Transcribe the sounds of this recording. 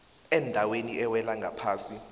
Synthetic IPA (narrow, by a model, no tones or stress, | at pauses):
ɛndʱaweniʔɛwɛlaŋɡʱapʰaːsi